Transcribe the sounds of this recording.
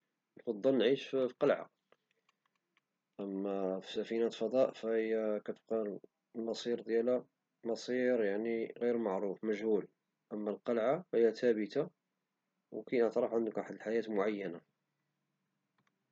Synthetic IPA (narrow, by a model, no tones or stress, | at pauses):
lfɑd̪ˤːɑnʕiʃffqɑlʕa̰ | ʔəmːæfi̥sæfinæt̪fɑd̪ˤɑʔfæhəjːækæt̪əb̚qɑl | lmɑsˤiɾd̪jælæ | mɑsˤiɾjaʕniɣiɾmɑʕɾufmæʒhul | ʔəmːælqɑlʕafhəjːæt̪æbət̪a | wkæjnəʕt̪ɾˤəfʕənd̪əkʔaħəd̪əlħajæt̪mʊʕajːæna